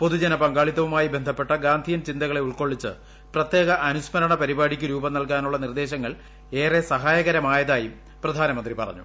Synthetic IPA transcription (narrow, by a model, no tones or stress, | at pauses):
po̞ðud͡ʑɐnɐpɐŋɡaːɭit̪ːɐʋumaːjibe̞nd̪ʱɐpːe̞ʈːɐɡaːnd̪ʱijɐmt͡ɕind̪ɐɣɐɭe̞uɭko̞ːɭːit͡ɕːɨ | prɐt̪je̞ːɣɐʔɐnusmɐɾɐɳɐpɐɾibaːɽikʲːuɾuːbɐnɐlkaːnuɭːɐnird̪e̞ːɕɐŋːɐɭ | eːresɐɦaːjɐɣɐɾɐmaːjɐðaːjum | prɐd̪ʱaːnɐmɐnd̪ripɐ̰rɐ̰ɲːṵ